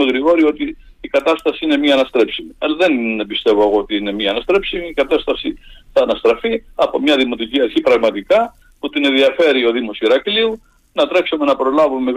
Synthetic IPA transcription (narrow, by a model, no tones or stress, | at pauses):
eɣɾiɣo̞ɾioot̪iː | kɐt̪ɐst̪ɐsiine̞miɐːnɐst̪ɾe̞psimielɐðe̞nbist̪e̞voeɣo̞ot̪iine̞miɐːnɐst̪ɾepsimiːkɐt̪ɐst̪ɐsiθɐːnɐst̪ɾɐfiɐpo̞̰mɲɐðimo̞t̪iciɐɾçipɾɐɣmɐt̪ikɐ | put̪inenðiɐfe̞ɾio̞ðimo̞siɾɐcliu | nɐt̪ɾe̞ksume̞nɐpɾo̞lɐvumeme